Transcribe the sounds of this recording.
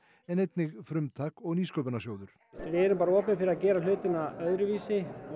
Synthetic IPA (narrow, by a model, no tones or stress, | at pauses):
ɛnejt̪nɪɣfɾʏmt̪ʰaːkɔɣniːskœːpɪnasjoːwðʏɾ̥ | vɪɛɾʏmpaːɾaɔːpɪnfɪɾɪɾacɛːɾalʏːt̪ɪnaœðɾʏviːsɪ